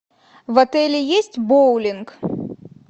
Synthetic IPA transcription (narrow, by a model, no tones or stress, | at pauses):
vɐt̪ɛlʲijesʲt͡sʲbɔwlʲink